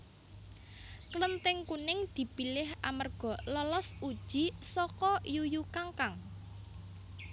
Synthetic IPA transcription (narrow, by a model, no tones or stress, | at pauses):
klənt̪ɪŋkunɪŋd̪̥i̤pilɪhʔamərɡ̥ɔ̤lɔlɔsud̥ʒ̥i̤sɔkɔjujukaŋkaŋ